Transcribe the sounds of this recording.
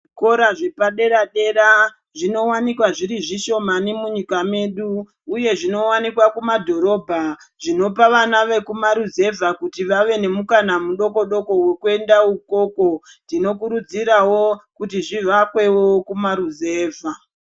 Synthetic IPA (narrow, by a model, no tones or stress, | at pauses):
ko̞ɾaʐe̞paɗe̞ɾaɗe̞ɾa | ʐino̞wanikwaʐiɾiʐiʃo̞manimuɲikame̞ɗuː | je̞ʐino̞wanikwakumadʱo̞ɾo̞bʱa | ʐ̥ino̞paʋanaʋe̞kumaɾuze̞vʱakutiʋaʋe̞ne̞mukanamuɗo̞ko̞ɗo̞ko̞we̞kue̞ndauko̞ko̞ | ndino̞kuɾud͡ziɾawokutiʐiʋakwe̞wokumaɾuze̞ːvʱa